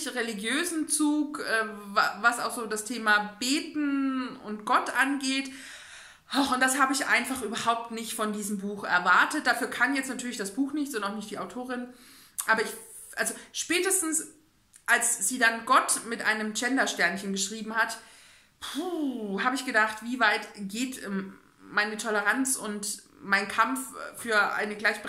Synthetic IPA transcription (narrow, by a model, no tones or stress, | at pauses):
çʁeliɡjøːzn̩t͡suːkʔɛːvavasa̰ʊxz̥oːdastʰeːmabeːtn̩ʊ̰ntɡ̥ɔtʔanɡeːt | ʔaxʊnt̚d̥ashaːbəɪçʔa̰ɪnfaχʔyːbɐhaʊp̚tnɪçtfɔndiːzəmbuːxɛ̰ɐvaɐtət̚d̥aːfyːɐkʰanjɛt͡stnatʰyːɐlɪçd̥asb̥uːxnɪçtt͡sʊnaʊxnɪçt̚d̥iːaʊtʰoːʁɪn | ʔaːbɐɪç | ʔalzoʃpɛːtəstn̩s | ʔalsz̥iːdanɡɔtmɪtʔa̰ɪnəmd͡ʒɛndɐʃtɛɐnçənɡəʃʁ̥iːbm̩hat | pʰuːhaːbəɪçɡ̥ədaχtv̥iːvaɪtɡ̥eːtː | aɪnətʰɔləʁant͡sʊnt | maɪnkʰamffyːɐʔa̰ɪnəɡlaɪçb̥ə